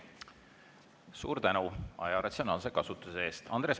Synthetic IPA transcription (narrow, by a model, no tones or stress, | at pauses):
sṵːɾt̪ænuʔɑ̰jɑɾɑt̪sʲio̞nɑːlse̞kɑsut̪ːˑuseeːst̪ɑ̰nd̪̥ɾe̞s